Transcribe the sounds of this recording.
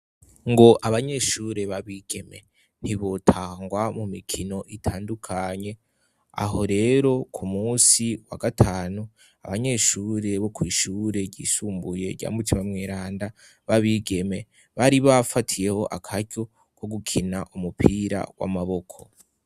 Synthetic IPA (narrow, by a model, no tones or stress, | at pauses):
ŋɡo̞ʔaβaɲe̞ʃuːɾe̞βaβiːɡ̥e̞me̞̰ | n̥iβo̞tʰaːŋɡwamumikʰino̞ʔitʰaːndukʰaɲe̞ | a̰ɦo̞ɾe̞ːɾo̞kʰumuːsiwaɡatʰaːnu | aβaɲe̞ʃuɾe̞βo̞kwiːʃuɾe̞ɟḭːsuːmbuje̞ɾɟa̰ːmutimamŋeːɾaːnda | βaβiːɡe̞me̞ | βaɾiβafatʰije̞ho̞̰ʔakʰaɾɟo̞ | ko̞ɡukʰinaʔumupʰiɾa̰wa̰maβo̞kʰo̞̥